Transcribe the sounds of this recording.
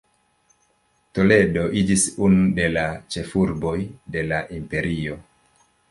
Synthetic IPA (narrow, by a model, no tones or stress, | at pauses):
to̞le̞do̞ʔid͡ʒisunude̞lat͡ʃe̞fuɾbo̞jde̞laʔimpe̞ɾio̞